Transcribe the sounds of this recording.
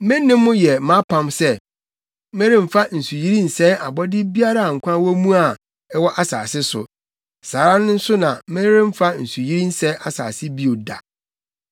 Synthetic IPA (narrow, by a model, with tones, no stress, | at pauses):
mɛ̃˦nːɪ̃˦mːʊ̃˦jɛ˨mã˦pʰã˦msɛ˦ | mɛ̃˦ɾɪ̃˦m̩˨fa˦n̩˨su˨ji˦ɾi˦n̩˨sɛ˦ʔa˨bɔ˦dɪ˦bi˦a˦ɾa˦˨a˨ŋ̩˨kʷʰã˦wɔ˦mũ˦a˨ | ɛ˦wɔ˦ʔa˨sa̰ː˨sɪ˦sʊ̰˨ | saː˨ɾã˦nʊ̃˦n̩˦sʊ˦nã˨mɛ̃˦ɾɪ̃˦m̩˦fa˦n̩˨su˨ji˦ɾi˦n̩˦sɛ˦ʔa˨sa̰ː˨sɪ˦bi˦o˨da̰˨